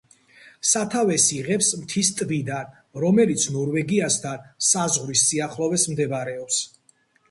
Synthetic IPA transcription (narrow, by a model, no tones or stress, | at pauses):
sat̪ʰavɛsiʁɛpsmt̪ʰist̪ʼbid̪an | ɾɔmɛlit̪sʰnɔɾvɛɡiasd̪ʰansazʁɾisːʼiaχlˠɔvɛsmd̪ɛbɾɛɔps